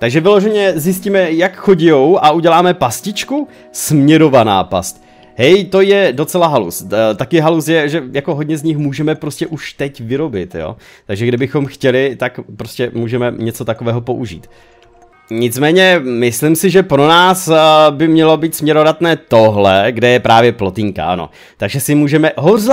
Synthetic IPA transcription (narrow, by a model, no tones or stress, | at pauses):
t̪aɡʒɛvɪlo̞ʒɛɲɛzjɪsciːmɛjakxo̞ɟɪjowʔaʔuɟɛlaːmɛpascɪt͡ʃku | smɲɛɾo̞vana̰ːpa̰st̪ | ɦɛjt̪o̞jɛdo̞t͡sɛlaɦalṵst̪akɪɦalusjɛʒɛjakoɦod̚ɲɛzɲɪxmuːʒɛmɛpɾo̞scɛʔuʃt̪ɛcvɪɾo̞bɪt̪jo̰ːt̪aɡʒɛɡdɪbɪxo̞mxcɛlɪt̪akpɾo̞scɛmuːʒɛmɛɲɛt͡so̞t̪ako̞vɛːɦo̞po̞ʔuʒḭːt̪ | ɲɪt͡smɛːɲɛmɪslɪmsɪʒɛpɾo̞naːsbɪmɲɛlo̞biːt̪smɲɛɾoɾat̪nɛːt̪o̞ɦlɛɡdɛjɛpɾaːvjɛplo̞t̪ɪŋka̰ʔa̰no̰ | t̪aɡʒɛsɪmuːʒɛmɛɦoz